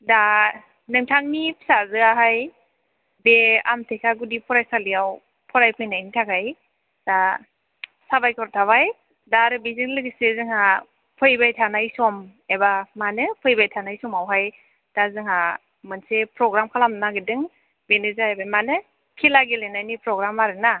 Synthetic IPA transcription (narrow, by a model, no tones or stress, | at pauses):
da | nɯŋtʰaŋnipʰsazɯaɦaj | bea̰mtʰekʰaɡudipʰɔɾajsalijaw | pʰɔɾajpʰɯjnajnitʰaɡaj | d̥a | sabajkʰɔɾtʰaβaj | daɾɯbiziŋlɯkɯsezɯŋha | pʰɯjbajtʰanajsɔm | ebamanɯpʰɯjbajtʰanajsɔmawɦaj | d̥azɯŋha | mɯnsepʰɾɔɡɾamkʰalamnaɡidɯŋ | benɯzaebajmanɯ | kʰilaɡilenajnipʰɾɔɡɾamaɾɯna